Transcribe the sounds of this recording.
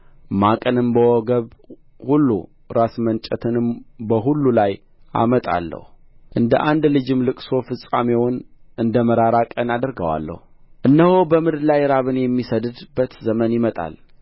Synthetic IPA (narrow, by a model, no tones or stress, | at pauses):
makʼənɨmbəwɔɡəβ | hulːṵ | ɾasmənt͡ʃʼət̪ʰɨnɨmbəɦulːulaj | ʔa̰mət̪ʼa̰lːə̰hu | ʔɨnd̪əʔand̪lɨd͡ʒɨmlɨkʼso̞fɨsʼamewɔnʔɨnd̪əməɾaɾakʼənad̪əɾɡəwa̰lːə̰huʔɨnːəhobəmɨd̪lajɾaβɨnjɛmːisəd̪ɨd̪bət̪zəmənjɪmət̪ʼa̰l